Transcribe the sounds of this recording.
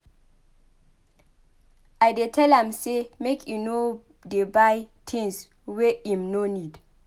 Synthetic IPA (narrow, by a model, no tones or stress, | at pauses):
ajdetʰɛlãmsemekʰjuno | debajtʰĩŋs | wɛĩmnonid